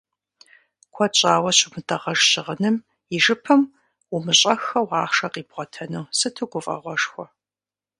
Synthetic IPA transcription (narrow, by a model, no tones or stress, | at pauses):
kʷʰɔt͡ʃʼaːwɐɕʊmɨtʰʼɐʁɐʒɕɪʁənɨm | ɪʒɨpʰɐm | ʊmɨɕʼɐxɐwɑːχʂɐqʼiːbʁʷɔtʰɐnuwsɨtʰɨɡʷʊfʼɐ̰ʁʷɔʂxʷɔ